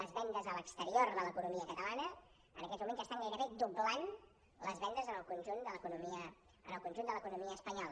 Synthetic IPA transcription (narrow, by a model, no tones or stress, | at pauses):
ləzβɛnd̪əzələkst̪əɾioɾðələkunumiəkət̪əlanə | ə̰nəkɛt̪mumẽnzəst̪aŋɡəjɾəβed̪ublan | ləzβɛnd̪əzənəlˠkunʲʒund̪ələkunumiə | ənəlˠkunʲʒund̪ələkunumiəːspəɲɔlˠə